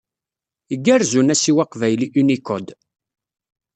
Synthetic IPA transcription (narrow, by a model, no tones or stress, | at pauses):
əɡːæɾzunæsiwaqvæjliʔynikɔd̪